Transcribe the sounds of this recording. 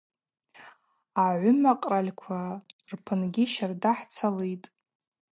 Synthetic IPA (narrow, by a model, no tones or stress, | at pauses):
aʕʷʊmaqʼralʲkʷʰarpʰɨnɡʲiʃardaħt͡sʰalejtʼ